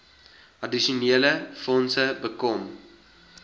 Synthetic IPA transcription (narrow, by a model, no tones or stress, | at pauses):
ʔɐdiʃuniələfɔnsəbəkɔm